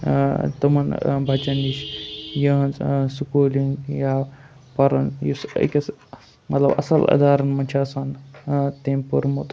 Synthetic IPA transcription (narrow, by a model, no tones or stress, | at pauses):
t̪ɐmɐnbʱɐt͡ʃɐniʃjɐɐnzsukuːliŋɡjaː | pɐɾɐnjusḭkʲɐs | mɐt̪lɐ̰bɐ̰sɐlɐ̰d̪aːɾɐnmɐnʲt͡ʃʰaːsant̪empuɾmut̪